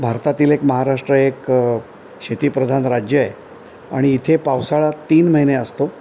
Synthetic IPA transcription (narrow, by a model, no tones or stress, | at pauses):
bʱaɾt̪at̪iːlekməɦaɾaʂʈɾəek | ɕet̪ipɾəd̪ʱanɾad͡ʑjəj | a̰ɽ̃iːt̪ʰepawsaɭat̪iːnməɦineəst̪o